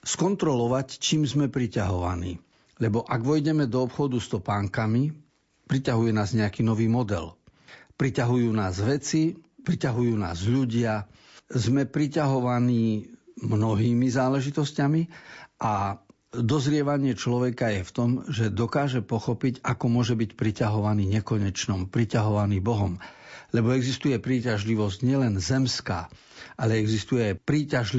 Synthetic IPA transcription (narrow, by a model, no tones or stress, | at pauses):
skɔnt̪ɾɔlɔʋact͡ʃiːmzmɛpɾicaɦɔʋa̰nḭː | ʎɛbɔʔaɡʋɔjɟɛmɛd̪ɔːpxɔd̪ust̪ɔpaːŋkami | pɾicaɦujɛnaːzɲɛakiːnɔʋiːmɔd̪ɛ̰lpɾicaɦujuːnaːzʋɛt͡sipɾicaɦujuːna̰ːzʎuɟɪa | zmɛpɾicaɦɔʋaniːmnɔɦiːmizaːlɛʒit̪ɔscamiʔa | d̪ɔzɾɪɛʋaɲɪɛt͡ʃlɔʋɛkajɛft̪ɔmʒɛd̪ɔkaːʒɛpɔxɔpiɟakɔmʊɔʒɛbicpɾicaɦɔʋaniːɲɛkɔɲɛt͡ʃnɔmpɾicaɦɔʋaniːbɔɦɔmlɛbɔɛɡzist̪ujɛpɾiːcaʒliʋɔzɟɲɪɛlɛnzɛmska̰ː | ʔalɛɛɡzist̪ujɛpɾiːcaʒl